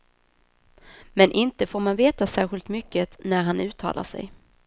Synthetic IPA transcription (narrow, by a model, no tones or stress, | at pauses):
mɛnʔɪnt̪əfoːɾmanveːt̪asæːɾɧɪlt̪mʏkːənæɾɦanʉ̟ːt̪ʰːɑ̰ːlʔa̰ʂɛ̰j